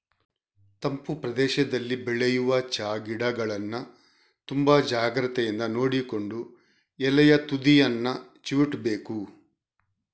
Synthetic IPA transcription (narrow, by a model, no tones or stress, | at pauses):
t̪ɐmpupɾɐd̪ɛːʃɐd̪ɐlːibɛɭɛjuʋɐt͡ʃaːɡiɽɐɡɐɭɐnːɐ | t̪umbɐd͡ʒaːɡɾɐt̪ɛjɐnd̪ɐno̞ːɽiko̞ɳɖu | ɛlɐjɐt̪ud̪ijɐnːɐ | t͡ʃuʋiʈbeːku